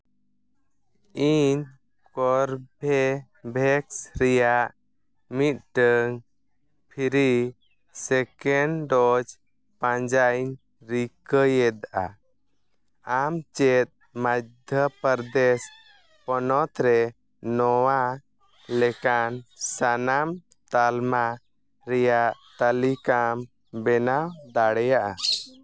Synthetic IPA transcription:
iɲ | kɔɾbʱɛ | bʱɛksɾɛjaʔ | mit̪̚ˀʈəŋ | pʰiɾi | sɛkɛɳɖɔd͡ʒ | pãɲd͡ʒajɲ | ɾikəjɛd̪aʔa̰ | amt͡ʃɛt̪̚ | mad̪ʱjəpəɾd̪ɛs | pɔnɔt̪ɾɛ | nɔwa | lɛkansanam | t̪alma | ɾɛjaʔt̪alikam | bɛnawd̪aɽɛjaʔa

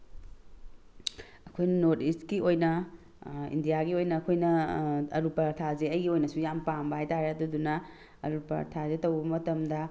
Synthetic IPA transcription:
ɐkʰojnɐnotistkiojnɐ | ḭndijaɡiojnɐːkʰojnɐɐɾupaɾtʰazeɐjɡiojnɐsujampambɐhajtaɾeɐdudunɐ | ɐ̰ɾupɐ̰tʰazetɐwbɐmɐtɐmdɐ

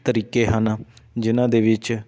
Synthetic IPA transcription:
t̪əɾiːkeːɦənad͡ʒɪnãːd̪eːʋɪt͡ʃ

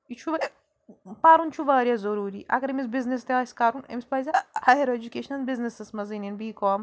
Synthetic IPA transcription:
it͡ʃʰuʋɐɾ | paːɾunt͡ʃʰuʋaːɾjazɐɾuːɾiʔɐ̰ɡɐɾemisbiznest̪eaːskaːɾunɐ̰mispɐjzɐaːjɐɾoed͡ʒukeːʃɐnɐlbiznisɐsmɐzininbiːkɔːm

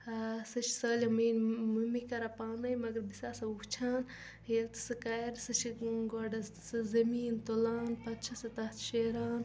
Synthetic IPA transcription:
sɨt͡ʃʰsɐːlʲɐminmumikɐɾapaːnɐjmɐɡɐɾb̪isaːsɐukt͡ʃʰaːn | jelt̪ɨ̥sɨkaɾsɨt͡ʃʰiɡoɖɐ | sɨzɐmiːnt̪olaːnpɐtt͡ʃʰɐsɐt̪ɐt̪ʰʃeːɾaːn

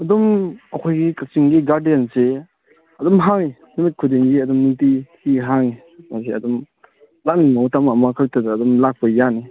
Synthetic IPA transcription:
ɐdɔmɐkʰojɡikasiŋɡiɡaɾdiense | ɐdɔmɦaŋi | nimit̚kʰudiŋɡiɐdɔmːutihiɦaŋi | nas̬iɐ̰dɔm | lak̚nimawtamamakʰatʰadaːdɔmlak̚pajani

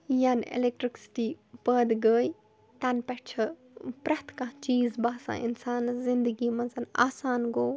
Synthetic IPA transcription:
janḛlek̚ʈɾɪksɪ̥ʈiːpəd̪ɡəːj | t̪ɐnpɛt͡ʃʰɐ | pɾɐt̪kãt͡ʃiːzbaːsã̰ːɪ̰nsaːnzɪ̃nd̪əɡiːmɐ̃nzɐna̰ːsaːnɡoː

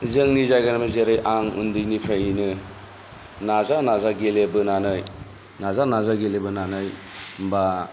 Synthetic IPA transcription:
zɯŋnizajɡanamɯzeɾɯjʔaŋṵndɯjnipʰɾajinɯ | nazanazaɡelebɯnanɯj | nazanazaɡelebɯnanɯjmba

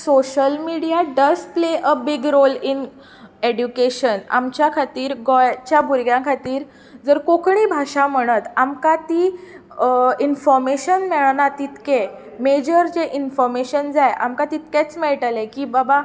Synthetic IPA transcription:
soɕəlmiɽijaɖəspleʔəbiɡɾolin | eɖjukeɕəna̰mt͡ɕjakʰat̪iːɾɡɔjt͡ɕjabʱuɾɡjãkʰat̪iːɾ | d͡zəɾkokʰɳ̃ibʱaɕam̤əɽ̃ət̪amkat̪iː | infɔɾmeɕənmeɭnat̪it̪ke | med͡ʑəɾd͡ʑeʔinfɔɾmeɕənd͡zajʔa̰mkat̪it̪ket͡smeɭʈəlekiːbaba

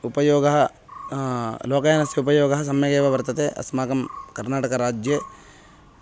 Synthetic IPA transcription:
upɐjoːɡɐɦɐ | loːkɐjaːnɐsjɐupɐjoːɡɐɦɐs̬ɐmjɐɡeːʋɐʋɐɾt̪ɐt̪eʔɐ̰smaːkɐmkɐɾnaːʈɐkɐɾaːd͡ʒjɐ

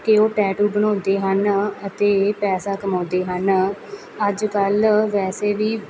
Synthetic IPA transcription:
keoːʈɛːʈuːbənɔːd̪eːɦənət̪eːpɛːsaːkəmɔ̃ːd̪eːɦən | əd͡ʒkəlʋɛːseːʋiː

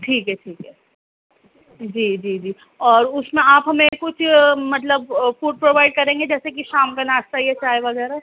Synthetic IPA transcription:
ʈʰiːkɦɛʈʰiːkɦɛ | d͡ʒiːd͡ʒiːd͡ʒiː | ɔːɾʊsmẽaːpɦɐmẽkʊt͡ʃʰmɐt̪̬ləbfuːɖ̚pɾoːʋaːɪɖ̚kɐɾẽːŋɡed͡ʒɛːsekiʃaːmkanaːst̪aiet͡ʃaːɦeʋɐɣɛːɾa

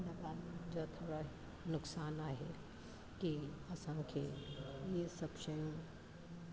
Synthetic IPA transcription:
nɐɡaːnd͡ʒat̪ʰoːɽa | nʊksaːnaːɦḛ | kiɐsãkʰejesɐbʃɐjũ

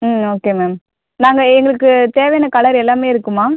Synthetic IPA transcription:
moːkeːmem | naːŋɡɐɛŋɡɐɭɯkːɯt̪eːʋɐjɐnɐkɐɭɐɾɛlːaːmeːɪɾɯkːɯmaː

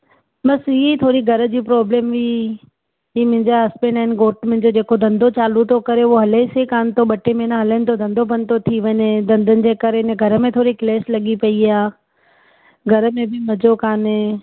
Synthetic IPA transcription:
ɓɐsiit̪ʰoːɾiɡʱɐɾəd͡ʑiːpɾɔːblẽːmʋi | ɦiːmʊ̃ɦɪ̃d͡ʑaɐspẽːnaːɦɪnɪ̆ɡoːʈmʊ̃ɦɪ̃̆d͡ʑod͡ʑeːkod̪ʱɐ̃nd̪ʱot͡ɕaːlut̪ʰokɐɾeoɦɐlesekaːnɪ̆t̪ʰoɓɐʈemẽnãɦɐlənɪt̪ʰod̪ɐ̃nd̪ʱobɐ̃nt̪ot̪ʰiʋɐɲed̪ɐ̃nd̪ʱənɪ̆d͡ʑeːkɐɾeɪnəɡʱɐɾə̆mẽt̪ʰoːɾikleːslɐɠipɐiaː | ɡʱɐɾə̆mẽbɪmɐd͡ʑokaːne

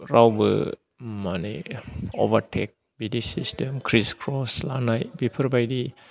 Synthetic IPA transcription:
ɾawbɯ̰ | manḛo̰baɾtʰek̚ | bidisistemkʰɾiskʰɾɔslanajbipʰəɾbajdi

